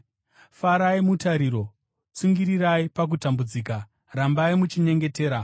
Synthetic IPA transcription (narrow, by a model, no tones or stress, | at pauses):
faɾaimutaɾiːɾo̞ | t͡suŋɡiɾiɾaipak̬utambud͡ziːka | rambaimut͡ʃiɲe̞ŋɡe̞te̞ːɾa